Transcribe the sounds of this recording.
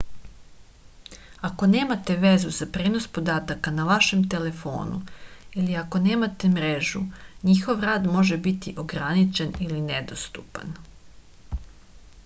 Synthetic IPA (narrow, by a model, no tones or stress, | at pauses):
ako̞ne̞ːmat̪e̞ʋe̞zuzapɾeːno̞spo̞d̪aːt̪akanaʋaʃe̞mt̪e̞le̞fo̞̰ːnṵiliako̞neːmat̪emɾe̞ʒuɲixo̞ʋɾaːd̪mo̞ʒe̞bit̪iʔo̞ɡɾanit͡ʃe̞nilined̪o̞st̪upa̰n